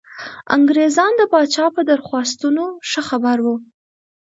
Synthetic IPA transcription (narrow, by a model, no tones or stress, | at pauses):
a̰ŋɡɾezɑnd̪əpɑt͡ʃɑpəd̪əɾxwɑst̪unoʂəxabaɾwu